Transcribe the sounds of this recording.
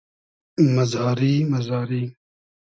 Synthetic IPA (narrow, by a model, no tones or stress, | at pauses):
mɐzɑːɾiːmɐzaːɾiː